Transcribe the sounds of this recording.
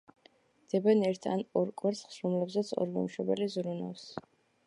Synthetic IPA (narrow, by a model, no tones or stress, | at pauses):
d̪̥ɛbɛnɛɾt̪ʰanɔɾkʼwɛɾsχsɾɔmlɛbzɛt̪sʰɔ̰ɾɡɛ̰mʃɛbɛlizɾuna̰fs